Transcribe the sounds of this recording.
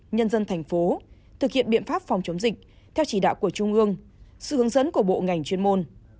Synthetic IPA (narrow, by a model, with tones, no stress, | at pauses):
ɲə˧nzə˧nt̪ʰa˨˩jŋ̟fo˨˦ | t̪ʰɨ˨˩k̚hḭ˧˨ənɗɓḭ˧˨ənfaː˦˥p̚fa˨˩wŋ͡mt͡ɕə˨˦wŋ͡mzï˨˩k̚ | t̪ʰɛ˧wt͡ɕi˧˩ɗa̰ː˧˨wku˧˩ət͡ɕʊ˧ŋ͡mʔɨ˧əŋsɨ̰˧˨ɨ˨˦əŋzə˨˦nku˧˩əɓo̰˧˨ŋa˨˩jŋ̟t͡ɕwi˧ənmo˧n